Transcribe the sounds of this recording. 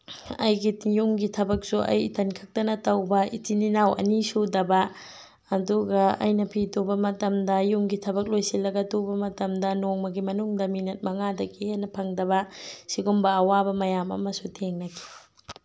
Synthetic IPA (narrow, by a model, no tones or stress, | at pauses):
ɐjɡijuŋɡitʰɐbɐk̚suʔɐ̰jtʰɐnkʰɐk̚tɐnɐtɐwbɐḭtininawɐ̰nisudɐbɐ | ɐduɡɐɐ̰jnɐpʰidobɐmɐtɐmdɐjuŋɡitʰɐbɐk̚lojsilɐɡɐdobɐmɐtɐmdɐnoŋmɐɡimɐnuŋdɐminɐt̚mɐŋadɐkiɦenɐpʰɐŋdɐβɐsiɡumbɐːwabɐmɐjamɐ̰mɐsutʰeŋnɐkʰi̥